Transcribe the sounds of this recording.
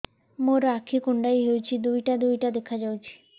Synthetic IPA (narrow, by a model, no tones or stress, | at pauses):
moɾakʰikuɳɖajɦewt͡ɕʰid̪ujʈad̪ujʈad̪ekʰad͡ʑawt͡ʃʰi̥